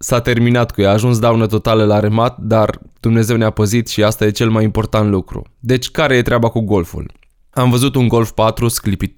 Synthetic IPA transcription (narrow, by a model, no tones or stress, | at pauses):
sat̪e̞rminat̪kujaːʒuns̬d̪awnət̪o̞t̪aləlaɾemat̪̚d̪ard̪̥umne̞ze̞wneapəzit̪ʃiast̪aje̞t͡ʃe̞lmajimpo̞rt̪ant̪lukɾṵd̪e̞t͡ʃʲkaɾe̞je̞t̪ɾeabakuɡo̞lfṵl | amvəzut̪uŋɡo̞lfpat̪ɾusklipit̪̚